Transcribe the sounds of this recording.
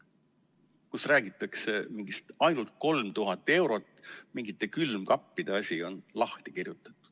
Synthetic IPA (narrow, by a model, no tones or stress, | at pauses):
kusræːɡ̥it̪ːˑɑkse̞miŋɡ̥ist̪ɑjnult̪̚ko̞lmt̪uɦɑt̪ːˑe̞wɾo̞t̪ːˑmiŋɡit̪ːˑe̞kylmkɑpːid̪̥eɑsʲio̞nlɑht̪ikirjut̪ːˑɑ̥t̪ːˑu̥